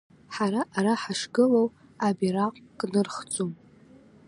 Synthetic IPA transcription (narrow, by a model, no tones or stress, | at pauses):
ħaɾaʔaɾaħaʂɡɨlow | abiraqʼkʼnɨrχt͡sʼum